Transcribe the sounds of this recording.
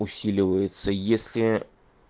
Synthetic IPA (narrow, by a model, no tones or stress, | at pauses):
ʊsʲilʲɪvəjɪt̪səjesʲlʲɪ